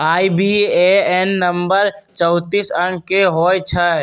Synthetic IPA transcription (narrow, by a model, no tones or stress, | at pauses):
aːibieɛnːə̃mbəɾ | t͡ʃəʊt̪iːsəɳkeɦoːt͡ʃʰaɦɛ